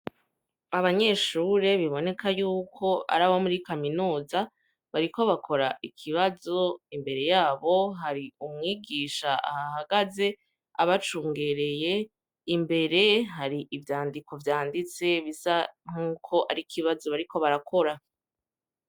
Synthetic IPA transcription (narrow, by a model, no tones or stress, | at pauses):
aβaɲe̞ːʃuːɾe̞βiβo̞ne̞kʰajuːkʰo̞ʔa̰ɾaβo̞muɾikaminuːza | βaɾiko̞βakʰo̞ɾaʔikʰiβazo̞imbe̞ɾe̞jaːβo̞ɦaɾiumŋiːɡiːʃaa̰hahaɡaze̞ | a̰βat͡ʃuːŋɡe̞ɾe̞je̞ | imbe̞ɾe̞ɦaɾiʔivjaːndikʰo̞vjaːndit͡se̞βizaŋ̥huːkʰo̞ʔa̰ɾikʰiβazo̞βaɾiko̞βaɾakʰo̞ɾa